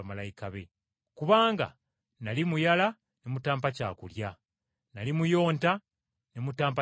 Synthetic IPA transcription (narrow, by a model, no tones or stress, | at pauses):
malajikaβe̞̰ | kuβaːŋɡa̰ | nalimujala | nemutaːmpaca̰ːkulja | nalimujo̞ːnta | nemutaːmpa